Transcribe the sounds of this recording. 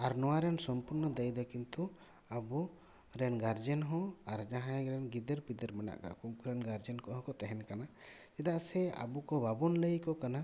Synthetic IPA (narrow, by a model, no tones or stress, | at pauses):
aɾnɔwaɾɛnsɔmpuɾnɔd̪əjd̪ɔkint̪u | abu | ɾɛnɡaɾd͡ʒɛnɦɔ̃aɾd͡ʒaɦãjɡɾɛnɡid̪əɾpid̪əɾmɛna̰ʔka̰kumkuɾɛnɡaɾd͡ʒənkɔɦɔ̃kɔt̪ɛɦɛnkanat͡ʃɛd̪aʔsɛa̰bukɔbabɔnləjkɔkana